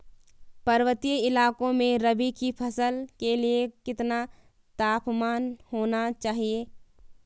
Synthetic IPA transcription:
pɐɾʋət̪ijəɪlaːkõmẽɾəbikipʰɐsəlkeliekɪt̪na | t̪aːpmaːnhoːnat͡ʃaːɦieː

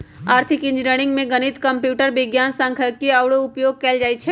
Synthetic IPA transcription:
aːɾt̪ʰɪkɪ̃nd͡ʒɾeːɽ̃ɪ̃ŋɡmẽɡɐnɪt̪kɐ̃mpjuːʈəɾʋɪɡjaːnsə̃ŋkʰəkiɐwɽoʊpjoːɡ̚kɛːld͡ʒaːit͡ʃʰɛː

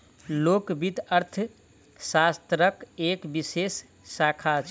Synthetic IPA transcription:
lokbit̪əɾt̪ʰ | sast̪ɾəkekbisesː | akʰat͡ʃʰ

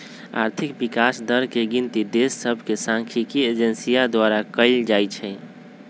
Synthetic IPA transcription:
a̰ɾt̪ʰikbikasd̪əɾkeɡint̪id̪esːəbʱkesãŋkʰikied͡ʒənsijad̪waɾakəɪld͡ʒajt͡ʃʰɛ

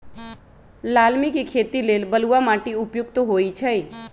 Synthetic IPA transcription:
laːlmikikʰet̪ilelbəluamaːʈiʊpjʊkt̪ɦoit͡ʃʰəj

